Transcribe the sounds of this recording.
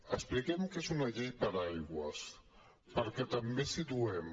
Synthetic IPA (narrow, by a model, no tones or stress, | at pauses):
əsplikɛmkezunɐʎejpəɾajɣwə̰s | pəɾkɛt̪əmbesit̪uɛm